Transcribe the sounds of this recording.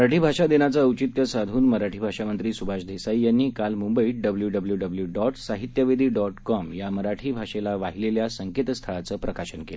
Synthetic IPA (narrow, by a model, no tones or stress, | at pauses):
məɾaʈʰiːbʱaʂad̪enat͡səːəwt͡ɕit̪jəsad̪ʱuːnməɾaʈʰiːbʱaʂamənt̪ɾiːsubʱaɕd̪ʱesaijanːiːkalmumbəiːɖəbljuɖəbəljuɖəbljuɖɔʈsaɦit̪jəʋed̪ʱiːɖɔʈkɔmjaməɾaʈʰiːbʱaɕelaʋaɦileljasəŋket̪əst̪ʰaɭat͡səːpɾəkaɕənkel